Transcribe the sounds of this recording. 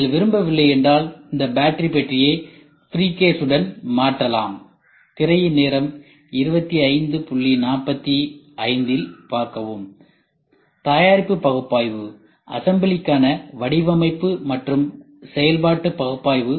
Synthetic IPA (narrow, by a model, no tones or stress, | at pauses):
ɐlʋɪɾɯmbɐʋɪlːɐjɛndraːlɪnd̪ɐbaːʈɾipɛʈrɪjeː | fɪɾiːkeːsɯɽɐnmaːʈrɐla̰ːm | t̪ɪɾɐjɪneːɾɐm | ɪɾɯbɐt̪ːiɐɪnd̪ɯpʊɭːinaːpːɐt̪ːi | ɐɪnd̪ɪlpaːɾkɐʋɯm | t̪aːjaːɾɪpːɯpɐɣɯpːaːjʋɯ | ʔɐ̰sɐmbɪlɪkːaːnɐʋɐɽɪʋɐmɐɪpːɯmɐʈrɯm | sɛjɐlpaːʈːɯpɐɣɯpːaːjʋɯ